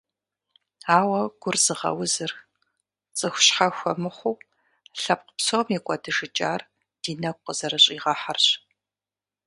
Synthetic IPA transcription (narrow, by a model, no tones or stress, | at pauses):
aːwɐɡ̥ʷʊrz̥ɨʁɐ̰wzɨr | t͡sʼɨxʷʊɕħaxʷɔmɨχʷʊw | ɬɐp̚qə̥psomikʷʼɔdɨʒɨt͡ʃʼaːr | d̥iːnɐkʷqəz̥ɐɾɐɕʼiːʁɐħarɕ